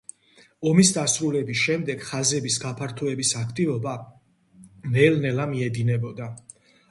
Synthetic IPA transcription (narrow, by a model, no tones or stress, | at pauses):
ɔmisd̪asɾulɛbisʃɛmd̪ɛɡ̥χazɛbisɡapʰaɾt̪ʰɔɛbisakʰt̪ʼivɔba | mɛlnɛlamiɛd̪inɛbɔd̪a